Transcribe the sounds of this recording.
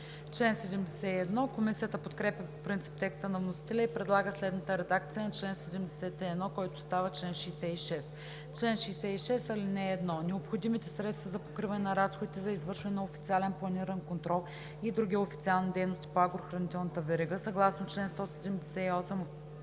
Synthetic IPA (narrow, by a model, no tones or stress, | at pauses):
t͡ʃlɛnsɛd̪ɛmd̪ɛsɛiɛd̪nɔkomisijət̪əpot̪kɾɛpʲjɐpopɾint̪si̥p̚t̪ɛkst̪ənɐvnosi̥t̪ɛlʲəipɾɛd̪lˠaɡəslɛd̪nət̪əɾɛd̪ak̚t̪sijənɐt͡ʃlɛnsɛd̪ɛmd̪ɛsɛt̪ɛɛd̪nɔkɔjt̪ʊst̪avət͡ʃlɛnʃɛjsɛiʃɛst̪ | t͡ʃlɛnʃɛjsɛiʃɛsɐlinɛːd̪nɔnɛopxod̪imit̪ɛsɾɛt̪st̪vɐzɐpo̥kɾivɐnɛnɐɾasxod̪it̪ɛzɐizvəɾʃvɐnɛnɐofit̪sialɛnplˠɐniɾɐnkont̪ɾɔlˠ | id̪ɾuɡʲiofi̥t̪sialˠnid̪ɛjnost̪i̥poaɡɾoxɾɐnit̪ɛlˠnət̪əvɛɾiɡəsɐɡlˠasnot͡ʃlɛnst̪ɔsɛd̪ɛmd̪ɛsɛiɔsɛm